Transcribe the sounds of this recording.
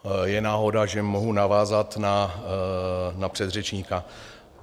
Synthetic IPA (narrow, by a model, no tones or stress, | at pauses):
jɛnaːɦo̞daʒɛmo̞ɦunavaːzat̪na | napr̝̥ɛd̪r̝ɛt͡ʃɲika